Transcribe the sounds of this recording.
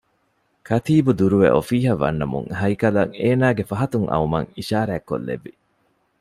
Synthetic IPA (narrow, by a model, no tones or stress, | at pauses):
kʰɐt̪iːbud̪uɾuʋḛʔofiːɦɐʋɐ̰nːɐmṵŋhɐjkɐlɐŋeːnaːɡefɐɦɐt̪uŋʔɐ̰umɐ̰ŋiʃaːɾæːkːo̰lːḛʋːi